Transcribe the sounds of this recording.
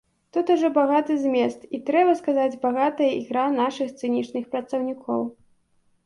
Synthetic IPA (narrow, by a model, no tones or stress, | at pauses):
t̪ut̪uʐɔbaɣat̪ɨzʲmʲɛst̪it̪ɾɛbɐskazad͡zʲbaɣat̪ɐjɐʔiɣɾanaʂɨxt̪sɨnʲit͡ʂnɨxpɾɐt̪sɐwnʲikʰɔw